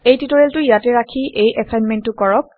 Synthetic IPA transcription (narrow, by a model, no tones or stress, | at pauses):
ejtitɔɹeltʊjatɛɹakʰiʔejʔɛpʰajnmɛntːʊkɔɹɔk̚